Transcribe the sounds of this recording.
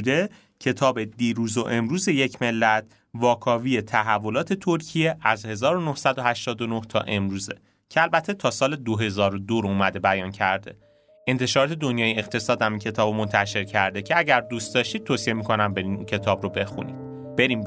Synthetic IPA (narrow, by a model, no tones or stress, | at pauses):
d̪e̞ | cʰe̞t̪ʰɒːbe̞d̪iːɾuːzoʔe̞mɾuːze̞je̞cʰme̞lːæt̪̚ʰ | vɒːkʰɒːviːjet̪ʰæɦævːo̞lɒːt̪ʰe̞t̪ʰoɾcʰije̞ʔæzhe̞zɒːɾonohsæd̪ohæʃt̪ɒːd̪onoht̪ʰɒ̰ːʔe̞mɾuːze̞̰ | cʰeælbæt̪ʰːet̪ʰɒːsɒːle̞d̪oɦe̞zɒːɾod̪oɾouːmæd̪e̞bæjɒːncʰæɾd̪e̞̰ | e̞nt̪ʰe̞ʃɒːɾɒːt̪ʰe̞d̪onjɒːjieχt̪ʰe̞sɒːd̪hæmincʰe̞t̪ʰɒːbmo̞nt̪ʰæʃe̞ɾcʰæɾd̪e̞cʰe̞æɟæɾd̪uːst̪̚d̪ɒʃt̪iːd̪̚t̪oːsie̞miːkʰo̞næmbe̞ɾiːncʰe̞t̪ʰɒːbɾobe̞xṵnḭːd̪̥̚ | b̥e̞ɾiːm